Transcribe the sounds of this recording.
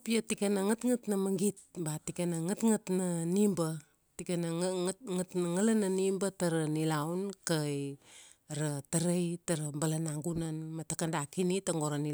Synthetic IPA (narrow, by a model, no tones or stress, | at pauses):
piatikenaŋatŋatnamaŋɡit̚batikenaŋatŋatnanimba | tikenŋtnaŋalananimbataɾanilawnkaj | ɾataɾajtaɾambalanaŋɡunanmatakandakinitaŋɡoɾani